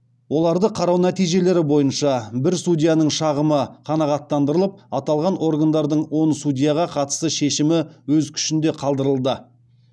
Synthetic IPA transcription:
wo̞lˠɑɾd̪əqʰɑɾɑwnæt̪ijʒe̞le̞ɾɪbo̞jənʃɑbɪɾsudʲijanəɴʃɑʁəməqʰɑnɑʁɑt̪ːɑnd̪əɾəlˠəp̚ɑt̪ɑlˠʁɑnʔo̞rɡand̪ɑɾd̪əɴwo̞nsud̪ʲijaʁɑqʰɑt̪ə̥st̪əʃe̞ʃɪmɪwɵzkʲʰʏ̥ʃɪnd̪e̞qʰɑlˠd̪əɾəlˠd̪ə

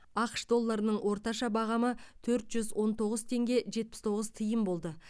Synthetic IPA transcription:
ɑqə̥ʃd̪o̞lˠːɑɾənəɴwʔo̞ɾt̪ɑʃɑbɑʁɑmət̪ʰɵɾt̪ʒ̥ʏzwʔo̞nt̪ʰo̞ʁəzt̪ʰe̞ŋɡʲe̞ʒe̞t̪̚pɪ̥st̪ʰo̞ʁəzt̪ʰəjəmbo̞lˠd̪ə

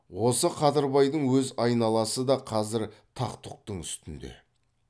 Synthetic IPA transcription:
wo̞səqʰɑd̪əɾbɑjd̪əɴwɵzɑjnɑlˠɑsəd̪ɑqʰɑzɪɾt̪ʰɑqt̪ʊq̚t̪əɴʏst̪ɪnd̪e̞̰

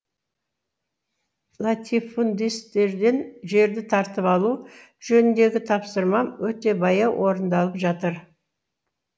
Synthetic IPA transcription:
lˠat̪ʲʰifund̪ist̪e̞ɾd̪e̞nʒe̞ɾd̪ɪt̪ʰɑɾt̪əpɑlˠu | ʒɵnɪnd̪e̞ɡʲɪt̪ʰɑpsəɾmɑwɵt̪e̞bɑjɑwʔo̞ɾənd̪ɑlˠəpʒɑt̪əɾ

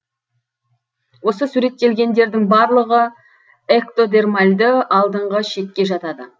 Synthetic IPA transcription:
wo̞səsuɾe̞t̪ːe̞lɡʲe̞nd̪e̞ɾd̪ɪŋbɑɾlˠəʁə | ekt̪o̞d̪e̞rmalʲd̪əɑlˠd̪əɴʁəʃe̞kʲːe̞ʒɑt̪ɑd̪ə̰

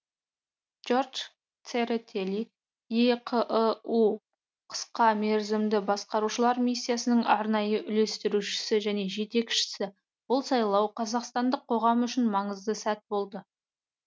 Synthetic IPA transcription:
ʒ̥o̞rʒ | t̪seɾet̪ʰelʲi | eqʰʔu | qʰə̥sqɑmeɾzɪmd̪ɪbɑsqɑɾuʃəlˠɑɾmisʲːijasənəɴʔɑɾnɑjəʔʏle̞st̪ɪɾuʃɪ̥sɪʒæne̞ʒe̞t̪e̞kʃɪ̥sɪ | bʊlˠsɑjlˠɑwqʰɑzɑqst̪ɑnd̪əqʰːo̞ʁɑmʏʃɪnmɑɴəzd̪əsæt̪̚bo̞lˠd̪ə

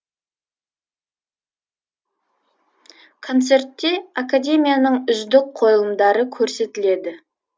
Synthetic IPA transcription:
kʰo̞nt̪se̞ɾt̪ːe̞akad̪ʲe̞mijanəɴʏzd̪ɪk̚qʰo̞lˠəmd̪ɑɾəkʲʰɵɾse̞t̪ɪle̞d̪ɪ

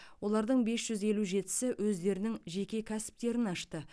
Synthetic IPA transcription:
wo̞lˠɑɾd̪əɴbe̞sʒ̥ʏze̞luʒe̞t̪ɪ̥sɪwʔɵzd̪e̞ɾɪnɪŋʒe̞kʲe̞kʲʰæsɪ̥p̚t̪e̞ɾɪnɑʃt̪ə

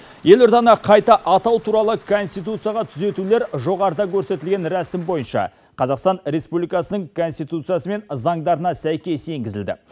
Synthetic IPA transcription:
je̞lʊɾd̪ɑnɑqʰɑjt̪ɑʔɑt̪ɑwt̪ʰuɾɑlˠəkʰo̞nst̪ijt̪̬ut̪sɨijɑʁɑt̪ʰʏze̞t̪ule̞ɾʒo̞ʁɑɾəd̪ɑkʲʰɵɾse̞t̪ɪlɡʲe̞nɾæsɪmbo̞jənʃɑ̰ | qʰɑzɑqst̪ɑnɾe̞spublijkɑsənəɴkʰo̞nst̪ijt̪ut̪sɨjasəme̞nzɑɴd̪ɑɾənɑsæjkʲe̞se̞ŋɡʲɪzɪld̪ɪ̰

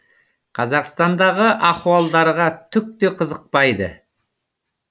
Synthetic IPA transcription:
qʰɑzɑqst̪ɑnd̪ɑʁəʔɑχuɑlˠd̪ɑɾʁɑt̪ʰʏk̚t̪e̞qʰəzəq̚pɑjd̪ə̰

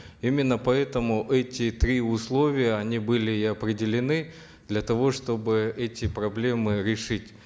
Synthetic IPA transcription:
imʲɪnːəpɐɛt̪əmʊʔɛtʲɪt̪ɾʲiʊslˠo̞vʲɪjəɐnʲibɨlʲɪɪɐpɾʲɪdʲɪlʲɪnɨ | d̪lʲɐt̪ɐvo̞ʂt̪o̞bɨɛtʲɪpɾɐblʲe̞mɨɾʲɪʂɨtʲ

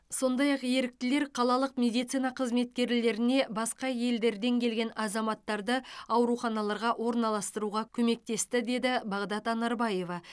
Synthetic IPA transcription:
so̞nd̪ɑjɑqje̞ɾɪk̚t̪ɪle̞ɾqʰɑlˠɑlˠəqmʲe̞d̪ijt̪sɨjnɑqʰəzme̞t̪̚kʲe̞ɾle̞ɾɪne̞bɑsqɑje̞ld̪e̞ɾd̪e̞ŋkʲʰe̞lɡʲe̞nɑzɑmɑt̪ːɑɾd̪əɑwɾuχɑnɑlˠɑɾʁɑʔwo̞ɾnɑlˠɑst̪əɾuʁɑkʲʰɵme̞k̚t̪e̞st̪ɪd̪e̞d̪ɪbɑʁd̪ɑt̪ɑnɑɾbɑje̞vɑ

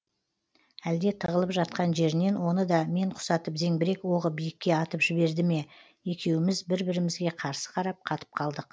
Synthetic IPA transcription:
æld̪e̞t̪ʰəʁəlˠəpʒɑt̪̚qɑnʒe̞ɾɪne̞nwo̞nəd̪ɑme̞ɴqʰʊ̥sɑt̪əpze̞ŋbɪɾe̞kwo̞ʁəbijɪkʲːe̞ɑt̪əpʒɪβe̞ɾd̪ɪme̞ | e̞kʲe̞wɪmɪzbɪɾbɪɾɪmɪzɡʲe̞qʰɑɾsə̥qʰɑɾɑp̚qʰɑt̪ə̥p̚qʰɑlˠd̪əq

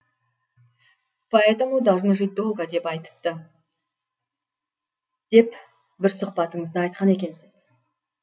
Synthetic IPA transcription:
pʰoet̪amud̪ɑʒnəʒijd̪o̞lˠɡad̪e̞pɑjt̪ə̥p̚t̪ə | d̪̥e̞p | bɪɾsʊqpɑt̪əɴəzd̪əɑjt̪̚qɑne̞kʲe̞nsɪz̥

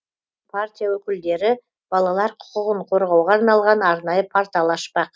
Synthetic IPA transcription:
pʰaɾt̪ʲijawɵkʲɪld̪e̞ɾɪ | b̥ɑlˠɑlˠɑɾqʰʊ̥qəʁəɴqʰo̞ɾʁɑwʁɑːɾnɑlˠʁɑnɑɾnɑjəpʰaɾt̪alˠɑʃpɑq

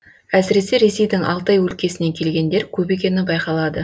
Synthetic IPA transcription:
æsɪɾe̞se̞ɾe̞se̞jd̪ɪŋʔɑ̰lˠt̪ɑjwɵlkʲe̞sɪne̞kʲʰe̞lɡʲe̞nd̪e̞ɾkʲʰɵpe̞kʲe̞nɪbɑjqɑlˠɑd̪ə

